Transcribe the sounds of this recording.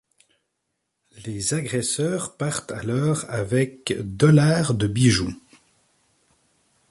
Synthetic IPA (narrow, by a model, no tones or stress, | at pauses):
lezaɡʁɛsœːʁpaʁt̪alɔːʁavɛkd̪ɔlaʁd̪əbiʒu